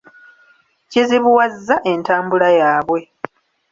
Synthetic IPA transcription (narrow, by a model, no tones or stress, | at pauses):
ceziβuwazːaʔe̞ntaːmbulajaːβwe̞